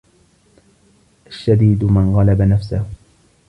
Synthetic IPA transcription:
ʔaʃːad̪iːd̪mɪnɣɑlabanafsah

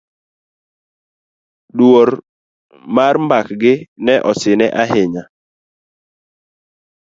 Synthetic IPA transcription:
dwoɾ | marmbakɡɪnɛʔɔsɪnɛʔaɦɪɲa

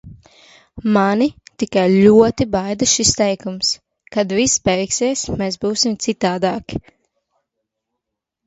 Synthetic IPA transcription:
manit̪ikajlʲuɔt̪ibajd̪aʃist̪ɛjkums | kad̪vispɛɾikseɛsmeːsbuːsimt̪sit̪aːd̪aːkʲ

